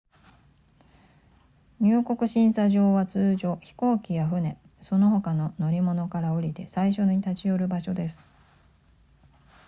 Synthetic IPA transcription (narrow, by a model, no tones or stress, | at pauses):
ɲ̟ɨːko̞kɯ̟ɕĩɰ̃saʑo̞ːβat͡sɨːʑo̞çi̥ko̞ːkʲijaɸɯ̟ne̞ | so̞no̞ɦo̞kano̞no̞ɾʲimo̞no̞kaɾao̞ɾʲit̪e̞saiɕo̞ɲ̟it̪at͡ɕio̞ɾɯ̟baɕo̞d̪e̞sɨ̥